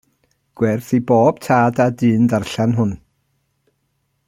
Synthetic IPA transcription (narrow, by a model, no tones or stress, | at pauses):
ɡ̥wɛrθiboːb̥tʰaːdadɨːndarɬanɦʊn